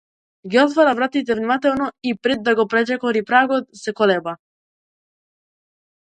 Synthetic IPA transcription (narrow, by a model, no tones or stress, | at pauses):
ɡiɔt̪vaɾavɾat̪it̪̬ɛvnimat̪ɛlnɔipɾɛd̪ːaɡɔpɾɛd͡ʒɛkɔɾipɾaɡɔt̪sɛkɔlɛba